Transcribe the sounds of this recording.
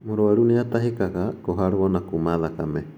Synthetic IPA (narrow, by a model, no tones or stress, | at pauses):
muɾoaɾuniat̪aɦikakakoɦaɾuonakumaðakame